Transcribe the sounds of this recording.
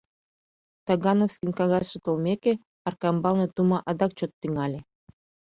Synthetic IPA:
t̪ɑɡɑnofskʲinʲkɑɣɑsʃət̪ɤ̆lˠmʲeke | ɑrkɑmbɑlˠnɤt̪umɑʔɑd̪ɑk̚t͡ɕot̪ːyŋɑlʲĕ

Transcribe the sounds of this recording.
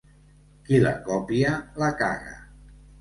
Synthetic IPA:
kila̰kɔpialaka̰ɣa̰

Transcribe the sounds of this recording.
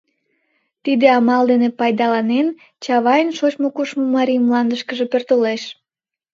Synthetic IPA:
t̪id̪eɑmɑld̪enepɑjd̪ɑlɑnen | t͡ɕɑβɑjənʃot͡ɕmokuʃmomɑɾijmlɑnd̪əʃkəʒepørt̪oleʃ

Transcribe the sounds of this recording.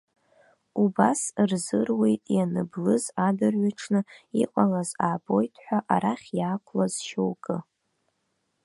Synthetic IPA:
ubasrzɨrwe̞jtʼjanɨblɨzadɨrɥaʈ͡ʂʰnɨiqʷʼalazaːbo̞jtʰħʷᶣaʔaɾaχʲjaːkʷʰlazʃowkʼɨ

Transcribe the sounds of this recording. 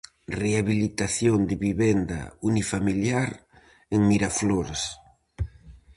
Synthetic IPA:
reaβilit̪aθjond̪ɪβiβɛnd̪ɐ̰unifamiljaɾ | eŋmiɾafloɾes

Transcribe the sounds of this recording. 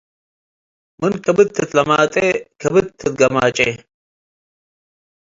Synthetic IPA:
mɨnkɐbɨt̪ʰːɨt̪lɐmaːt̪ʼekʰɐbɨt̪ʰːɨt̪̚ɡɐmaːt͡ʃʼeː

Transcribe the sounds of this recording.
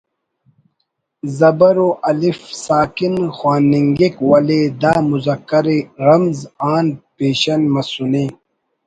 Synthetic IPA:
zɐbɐɾoʔɐlifsaːkinxwaːnːiŋɡekwɐled̪aːmuzɐkːɐɾeɾɐmzaːnpeːɕɐnmɐsuneː

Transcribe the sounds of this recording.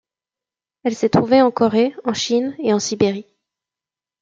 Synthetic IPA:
ɛlset̪χuveɑ̃kɔʁeɑ̃ʃineɑ̃sibeʁi

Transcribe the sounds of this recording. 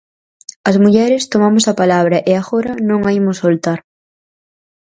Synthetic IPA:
ɐzmuʎɛɾɪst̪omamʊsɐpalaβɾɐʔeaɣoɾɐnõŋaimʊsolt̪aɾ

